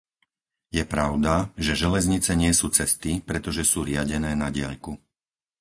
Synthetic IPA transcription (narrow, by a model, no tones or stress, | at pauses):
jɛpɾaʊd̪aʒɛʒɛlɛzɲit͡sɛɲɪɛsuːt͡sɛst̪ipɾɛt̪ɔʒɛsuːɾɪaɟɛnɛːnaɟɪa̰ʎku